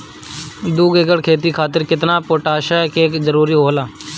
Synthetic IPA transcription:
d̪uːɡeːɡəɽkʰeːt̪̬iːkʰaːt̪̬ɪɾkɪt̪naːpoːʈaːʃakeːkzəɾuːɾiːɦoːlaː

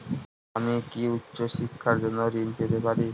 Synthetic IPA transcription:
amikiutːɕoʃikʰːaɾd͡ʑonːoɾinpet̪epaɾi

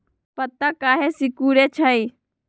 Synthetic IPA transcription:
pət̪ːakaːɦesɪkuːɾeːt͡ʃʰai

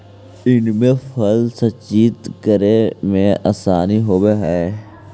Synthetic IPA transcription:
ɪnmẽfɐlsɐt͡ʃiːt̪kəɾemẽa̰ːsaːniɦoːbeɦɛː

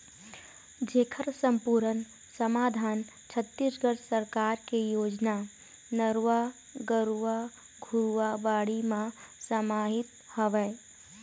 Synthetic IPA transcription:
d͡ʒekʰəɾsəmpuɾən | səmaːd̪ʱaːn | t͡ʃʰət̪ːisɡəɽsəɾkaɾkejoːd͡ʒna | nəɾwa | ɡəɾua | ɡʱuɾuabaːɽimãsəmaɦɪt̪ | həʋɛ

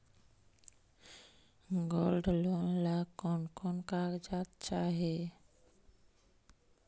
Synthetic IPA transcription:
ɡɔlɖəlonlakɔnkɔnkakd͡ʒat̪t͡ʃaɦe

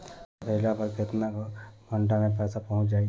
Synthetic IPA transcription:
pəɦilapəɾket̪nakbʱəɳʈamẽpɛːsapɔɦʊ̃t͡ʃd͡ʒaːi

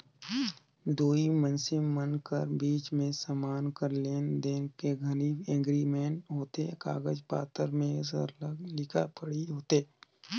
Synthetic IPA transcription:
d̪oːimə̃nsemənkəɾbiːt͡ʃmẽsaːmaːnkəɾleːnd̪eːnkeɡʱəniːbẽːŋɡɾimeːnɦoːt̪eka̰ːɡəd͡ʒpa̰ːt̪əɾmẽsə̰llɪkʰa̰pəɽiɦoːt̪eː

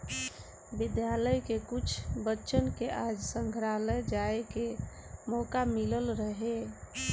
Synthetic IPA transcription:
bid̪jaləjkekut͡ʃʰbətːʃənkeʔad͡ʒsəŋɡʱɾaləd͡ʒaeke | mɔkamiləlɾəɦe

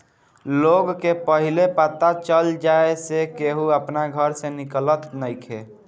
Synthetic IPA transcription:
loɡkepəɦilepat̪at͡ʃəld͡ʒaesekeɦuəpnaɡʱəɾsẽniklət̪nəjkʰe

